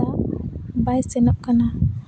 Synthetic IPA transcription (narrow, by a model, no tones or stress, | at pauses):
abajsɛnap̚kana